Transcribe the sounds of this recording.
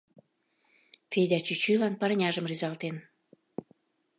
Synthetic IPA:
fedʲɑt͡ɕyt͡ɕylɑnpɑɾnʲɑʒəmryzɑlt̪en

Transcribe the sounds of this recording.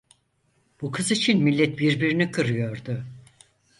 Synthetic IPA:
b̥ukʰɯzit͡ʃʰinmilʲːɛt̪̚biɾbiɾinikʰɯɾɯjo̞ɾd̪ʊ

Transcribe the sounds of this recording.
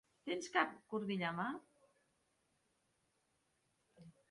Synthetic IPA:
t̪enskap̚kuɾðiʎama

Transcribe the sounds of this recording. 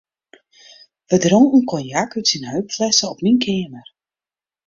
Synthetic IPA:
ʋədɾɔnunkʰɔnjakytsinhœɥpflɛsəɔpninkʰɪːəmər

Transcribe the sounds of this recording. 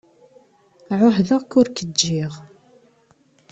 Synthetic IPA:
ʕʊħðəʁkʊɾkəd͡ʒːɪʁ

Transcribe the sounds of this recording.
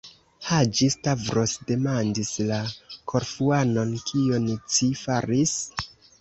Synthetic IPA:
had͡ʒistavɾo̞sde̞mandislakʰo̞ɾfuano̞nkʰiont͡sifaɾis

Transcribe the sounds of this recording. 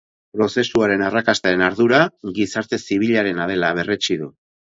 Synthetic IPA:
pɾo̞se̞suaɾe̞narakast̪aɾe̞naɾðuɾaɣisaɾt̪e̞siβ̞iʎaɾe̞nað̞e̞laβ̞e̞ret͡ʃiðu

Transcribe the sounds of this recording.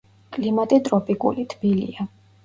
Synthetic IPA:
kʼlimat̪ʼit̪ʼɾɔpʼikʼṵlit̪ʰb̥ilḭa

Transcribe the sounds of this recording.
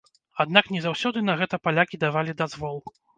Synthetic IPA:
ad̪naknʲɛzawsʲɔd̪ɨnɐɣɛt̪ɐpalʲakʲid̪avalʲid̪azvɔlˠ

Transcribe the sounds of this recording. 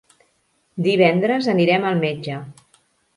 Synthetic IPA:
d̪iβ̞ɛnd̪ɾəzəniɾɛməlˠmed͡ʒə

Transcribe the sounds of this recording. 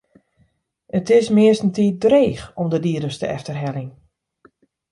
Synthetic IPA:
ətɪsmɪəstn̩tiːdreːxɔmdədiədəstəʔɛftərɦɛlɪŋ

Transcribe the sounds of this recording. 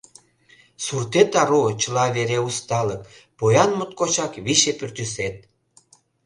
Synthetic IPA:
surt̪et̪ɑɾot͡ɕəlɑβeɾeust̪ɑlək | pojɑnmot̪̚kot͡ɕɑkβiʃepørt̪yset̪̚

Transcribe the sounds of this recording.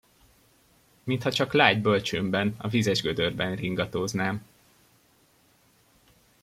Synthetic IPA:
mint̪hɒt͡ʃɒklaːɟbø̞lt͡ʃøːmbɛnɒ̰vizɛʒɡød̪ørbɛnriŋɡɒt̪oːznaːm

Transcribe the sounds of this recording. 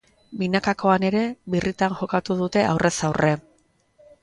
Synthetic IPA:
binakako̞ane̞ɾe̞βirit̪anʝo̞kat̪uðut̪e̞ʔawrʔe̞sawrʔe̞

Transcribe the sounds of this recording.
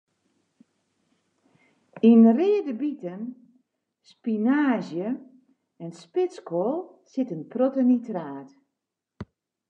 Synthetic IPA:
inreədəbitən | spinaːzjə | ɛnspɪt͡skolˠ | sɪtənprotənitraːt

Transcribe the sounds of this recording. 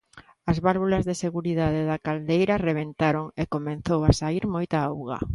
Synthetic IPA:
ɐzβalβolazðeseɣuɾiðaðeðakald̪ejɾɐreβ̞ent̪aɾoŋekomẽn̟θowasaiɾmojt̪aawɣa̰

